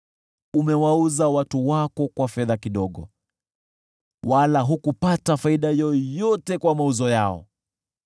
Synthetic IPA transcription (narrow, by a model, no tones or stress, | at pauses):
umɛwauzawatuwakɔkwafɛðakiɗɔɠɔ̰ | walaɦukupatafaiɗajɔjɔtɛkwamauzɔjaɔ̰